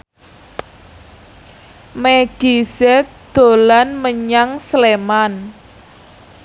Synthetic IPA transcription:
meɡ̥isɛ | d̪̥o̤lanməɲaŋsleman

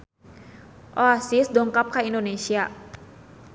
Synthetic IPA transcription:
ʔoasisdɔŋkap̚kaindonesia

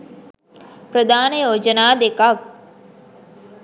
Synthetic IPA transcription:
pɾəd̪aːnəjoːd͡ʒənaːd̪ekak̚

